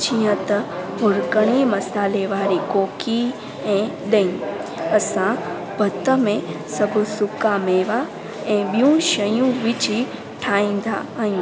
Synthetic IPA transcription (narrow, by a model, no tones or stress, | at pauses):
t͡ʃijə̃t̪ɦʊɾkəɳ̃ĩməsaːleʋaːɾikoːki | ẽɗ̪ə̃ĩəsã | bʱət̪ːəmẽ | səbusukameːʋa | ẽbjũːʃəjũʋit͡ʃi | ʈʰãːĩnd̪ʱaajũ